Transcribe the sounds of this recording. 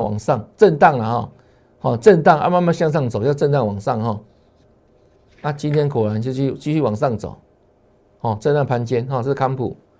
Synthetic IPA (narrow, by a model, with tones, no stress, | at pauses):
wa̰˨˩ŋsa˥˨ŋt͡sə˥˧nt̪a˥˩ŋla˨hɔ˥˨˩ | hɔ˥˨t͡sə˥˧nt̪a˥˨ŋʔa̰˧ma˥˧nma˥˧nɕja˥˧ŋs̬a˥˩ŋt͡so˨˩ʊja˥˧ʊt͡sə˥˧nt̪a˥˩ŋwɑ˨˩ŋsa˥˨ŋɦɔ˥˩ | ʔa˦t͡ɕi˦nt̪ʰjɛ˦nkʰo˨˩la˨˦nt͡ɕjo˥˧ʊt͡ɕʰy˥˨t͡ɕi˥˧ɕy˥˨wa˨˩ŋsa˥˩ŋt͡so̰˨˩˦ | hɔ˥˨t͡sə˥˧na˥˩˨pʰa˧˦nt͡ɕjɛ˦nɦɔ˨t͡sɤ˥˧˥kʰa˦mpʰṵ˨˩˦